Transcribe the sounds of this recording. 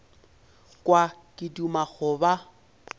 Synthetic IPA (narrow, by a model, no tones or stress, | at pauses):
kʼwakʼɪdumaɣʊba